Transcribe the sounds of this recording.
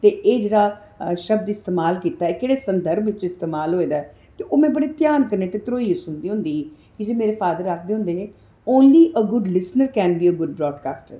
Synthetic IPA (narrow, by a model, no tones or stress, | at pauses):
t̪eːʔeːd͡ʒeːɽaː | ʃəb̚d̪ɪst̪eːmaːlkiːt̪aːɛːkeːɽeːsənd̪əɾmɪt͡ʃɪst̪eːmaːlɦoːeːd̪aːɛ | t̪eːʔoːmɛ̃ːbəɽeːt̪jaːnkənːeːt̪eːt̪ɾoːiːsʊnd̪iːɦʊ̃nd̪iː | kɪd͡ʒeːmeːɾeːfaːd̪əɾakʰd̪eːɦʊ̃nd̪eːneː | oːnliːʔəɡʊɖlɪsnəɾkɛːnbiːəɡʊɖbɾɔːɖkaːsʈɛ̰ː